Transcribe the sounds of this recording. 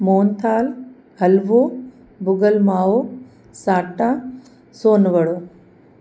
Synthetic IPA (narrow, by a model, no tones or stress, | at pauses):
moːnt̪ʰaːl | ɦɐlʋo | bʊɡəlmaːo | saːʈːã | soːnʋɐɽoː